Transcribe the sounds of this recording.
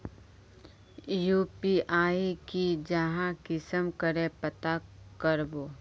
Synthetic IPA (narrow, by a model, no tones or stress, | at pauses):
juːpiʔaːikid͡ʒəɦãkɪsəmkəɾepət̪akəɾboː